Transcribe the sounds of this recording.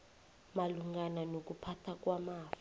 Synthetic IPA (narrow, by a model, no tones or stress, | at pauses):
maluŋɡananok̬upʰatʰak̬wamaːf